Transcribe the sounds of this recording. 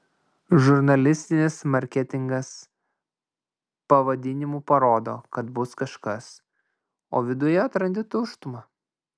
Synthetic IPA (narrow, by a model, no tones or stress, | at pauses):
ʒʊɾnɐlʲɪsʲt̪ʲɪnʲɪsmɐɾʲkʲɛt̪ʲɪŋɡɐs | pɐʋɐd̪ʲɪnʲɪmuːpɐɾoːd̪o̰ːkɐt̪bʊskɐʃkɐs | oːʋʲɪd̪ʊjɛɐt̪ɾɐnʲd̪ʲɪt̪ʊʃt̪ʊmɐ